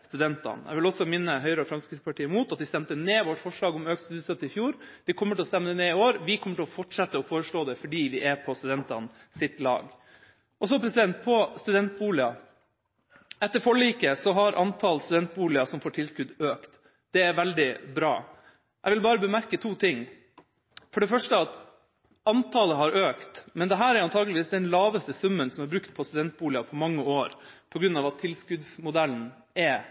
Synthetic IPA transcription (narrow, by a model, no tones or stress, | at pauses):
st̪ʉd̪ɛnt̪ɑ̰nɛ̰ʋɪlɔsɔmɪnːəɦœʏɾəɔfɾɑmskɾɪsəpɑʈʰiːəmuːt̪ɑt̪̚ʋ̪ɪst̪ɛmt̪əneːʋɔʈːfɔʂɭɑːɡɔmøːkt̪st̪ʉːd̪sœt̪ːɪfjuːɾd̪̥ɪkʰɔmːəʈɪlɔst̪ɛmːəəneːɪoːɾʋɪkʰɔmːəʈʰɪlɔfɔʈʂɛt̪ːəɔfoːɾəʂɭoːd̪ɛfɔɖiːʋɪʔɛɾpʰɔst̪ʉd̪ɛnt̪ɑ̰n | sɪt̪lɑ̰ːɡ | ʔɔs̬ɔpʰɾɛsɪd̪ɛnt̪̚pʰɔst̪ʉd̪ɛnt̪̚buːlɪɑ | ɛt̪ːəɾfɔɭːiːkəsɔɦɑɾʔɑnt̪ʰɑlst̪ʉd̪ɛnt̪̚buːlɪɑsɔmfoːʈʰɪlskʉd̪øːkt̪ | d̪̥ɛɛɾʋɛld̪ɪbɾɑ̰ː | ʔɛɪʋɪlbɑːɾəbəmæɾkət̪ʰuːt̪ʰɪŋ | fɔɖɛfœʂʈəɑt̪ | ɑnt̪ʰɑːləɦɑɾøːkt̪mɛnd̪ɛɦæːɾɛɾɑnt̪ʰɑːɡəlɪʋiːsd̪ɛnlɑːʋəst̪əsʉmːənsɔmæɾbɾʉkt̪̚pʰɔst̪ʉd̪ɛnt̪̚buːlɪɑfʰɔmɑŋːəoːɾpʰɔɡɾʉnːɑːʋɑt̪ʰːɪlskʉd̪smʊd̪ælːn̩ | ɛ